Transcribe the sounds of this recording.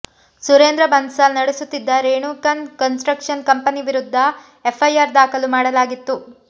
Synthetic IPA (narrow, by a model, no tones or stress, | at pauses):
suɾeːnd̪ɾɐbʱɐnsɐlnɐɽesut̪ːid̪ːɐɾeːɳuːkɐnkɐnsʈɾɐkʂɐnkɐmpɐniʋiɾud̪ʱːɐ | epʰːɐjaːɾd̪aːkʰɐlumaːɽɐlaːɡit̪ːu